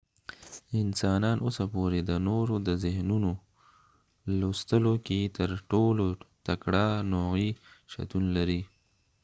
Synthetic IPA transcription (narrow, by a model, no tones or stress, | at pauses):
ɪnsɑnɑnʔosapoɾed̪ənoɾod̪əzɪhnuno | lost̪əloket̪əɾʈolot̪akɽɑnoɣiʃa̰t̪unlaɾi